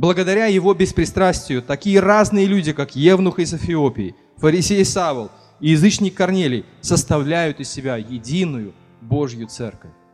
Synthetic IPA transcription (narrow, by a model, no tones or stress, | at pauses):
blˠəɡəd̪ɐɾʲajɪvo̞bʲɪspɾʲɪst̪ɾasʲtʲɪjʊt̪ɐkʲijəraznɨjəlʲudʲɪkakjevnʊxɪzəfʲɪo̞pʲɪː | fəɾʲɪsʲejsavəlˠ | ɪjɪzɨt͡ɕnʲɪkːɐrnʲelʲɪj | səst̪ɐvlʲæjʊt̪ɪsʲːɪbʲajɪdʲinʊjʊ | bo̞ʐjʊt̪sɛ̰rkəfʲ